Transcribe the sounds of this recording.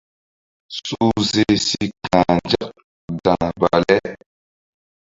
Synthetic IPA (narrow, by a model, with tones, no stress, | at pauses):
su˦ze˦si˦kã˨d͡ʒa˦k | dã˨ba̰˨lɛ˦